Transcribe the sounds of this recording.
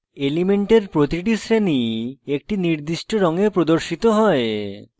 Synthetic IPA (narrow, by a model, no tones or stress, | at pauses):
elimeɳʈeɾpɾot̪iʈisɾeniek̚ʈiniɾd̪iʃʈoɾɔŋepɾod̪oɾʃit̪oɦɔe